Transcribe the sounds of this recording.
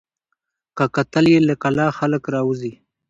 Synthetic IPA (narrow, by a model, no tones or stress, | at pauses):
kakat̪əljeləkalɑxaləkɾɑwuzi